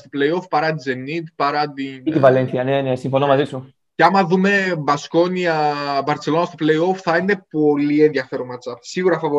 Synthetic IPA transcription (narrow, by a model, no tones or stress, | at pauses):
st̪oplejo̞fpɐɾɐt̪id͡ze̞nːit̪pɐɾɐt̪int̪ivɐlenθiɐnenesiɱfonomɐzisu | ceɐmɐðume̞bɐsko̞niɐbɐɾt͡selo̞nɐst̪oplejo̞fθɐine̞po̞lienðiɐfe̞ɾomɐt͡sɐpsiɣuɾɐfɐvo